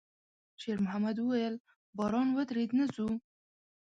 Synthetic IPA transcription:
ʃeɾmʊhamad̪wəwajəl | bɑɾɑnwəd̪ɾed̪nəzu

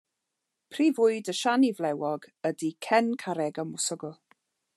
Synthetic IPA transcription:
pʰrivʊɨdəʃanivlɛwɔɡədikʰɛnkʰaɾɛɡəmʊsɔɡʊlˠ

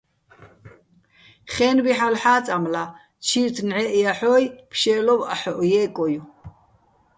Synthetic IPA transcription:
χɛːnbiħalħaːt͡sʼamla | t͡ʃʰiɾt̪ʰnʕɛʔiaħɔːjpʰʃɛːlɔva̰ħɔʔɔjɛːkʼɔju

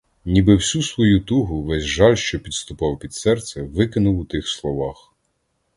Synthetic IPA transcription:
nʲibɪwsʲusʋɔjut̪uɦʊʋɛzʲʒɑlʲʃt͡ʃɔpʲid̪st̪ʊpɑwpʲid̪sɛrt̪sɛʋɪkɪnʊwʊt̪ɪxslˠɔʋɑx

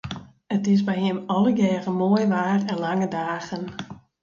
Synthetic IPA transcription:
ətɪs̬bɛjɦɪmɔləɡɛːɣəmoːjʋaːrɛnlaŋədaːɣən

